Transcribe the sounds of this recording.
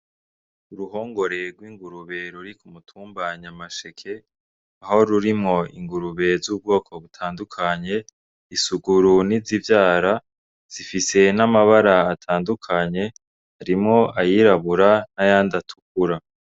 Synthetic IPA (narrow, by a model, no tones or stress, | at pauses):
uɾuho̞ːŋɡo̞ɾe̞ɾɡwiːŋɡuɾuβe̞ɾuɾikumutʰuːmbaɲamaʃekʰe̞ | aho̞ɾuɾimŋo̞ḭŋɡuɾuβe̞zuːb̚ɡo̞ːkʰo̞βutʰaːndukʰaɲe̞ | isuɡuɾunizivjaːɾa | z̥ifise̞namaβaɾaːtʰaːndukʰaɲe̞ | haɾimŋo̞ajiɾaβuɾanajaːndatʰu̥k̚uɾa